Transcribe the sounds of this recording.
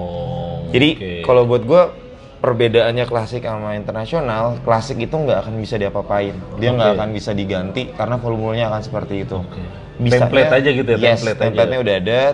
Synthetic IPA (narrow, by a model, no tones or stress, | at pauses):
d͡ʒadikalawbuat̪̚ɡua | pərbedaːnɲaklasɪkalmaint̪ərnasionalklasɪkit̪uŋɡaːkanbisadiapapaɪndiaŋɡaːkanbisadiɡant̪ikaɾənafolmulaɲaːkansə̥pərt̪iːt̪u | bisɛa̰lɛatad͡ʒaɡit̪uajɛslɛt̪ɛmplɛt̪ɲaudaɦada